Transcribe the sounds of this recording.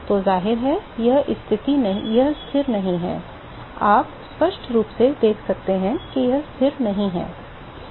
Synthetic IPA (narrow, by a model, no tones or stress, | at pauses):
t̪ozaːɦɪɾɦɛjɐɦɪst̪ʰɪt̪injɐɦst̪ʰɪɾnɐɦĩɦɛ̰̃ː | aːp | spɐʃʈɾuːpsed̪eːkʰsɐk̚t̪eɦɛ̃kijɐɦst̪ʰɪɾnɐɦĩɦɛ̰̃ː